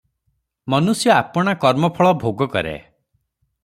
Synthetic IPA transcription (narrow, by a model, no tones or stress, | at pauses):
mɔnusjɔapɔɽ̃akɔɾmɔpʰɔɭɔbʱoɡɔkɔ̰ɾḛ